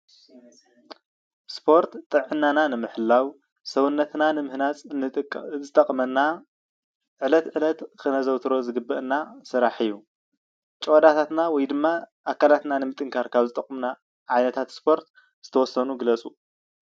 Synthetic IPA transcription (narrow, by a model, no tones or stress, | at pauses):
spʰo̞ɾt̪t̪ʼːɨʕʕɨnːananɨmɨħɨlːaw | sɐwunːɐt̪nanɨmɨhnat͡sʼɨzɨt̪ʼɐkʼmɐnːa | ʕɨlɐt̪ʕɨlɐt̪kʰɨnɐzɐwt̪ʰɾo̞zɨɡɨbːɐʔɨnːasɨɾaħɨjːu | t͡ʃʼod̪at̪ʰat̪nawɔjd̪ɨmːaʔakʰːalat̪nanɨmɨt̪ʼɨŋkʰaɾkʰaβzɨt̪ʼɐqʼːmna | ʕajnɐt̪ʰat̪spʰo̞ɾt̪ | z̥ɨt̪ʰɐwɔsːɐnuɡɨlɐt͡sʼu